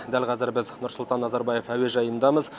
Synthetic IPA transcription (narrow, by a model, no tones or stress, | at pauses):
d̪ælqʰɑzɪɾbɪznʊɾsʊlˠt̪ɑnːɑzɑɾbɑje̞fæwe̞ʒɑjənd̪ɑməz